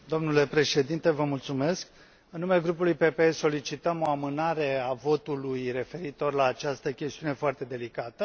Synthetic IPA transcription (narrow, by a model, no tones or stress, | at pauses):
d̪o̞mnule̞pɾe̞ʃe̞d̪int̪e̞vəmult̪sume̞sk | ɨnːumeleɡɾup̬ulujpe̞pe̞eso̞lit͡ʃit̪əmo̞amɨnaɾe̞avo̞t̪ulujre̞fe̞ɾit̪o̞rlaːt͡ʃast̪əkʲe̞st̪iunefoart̪e̞d̪e̞likat̪ə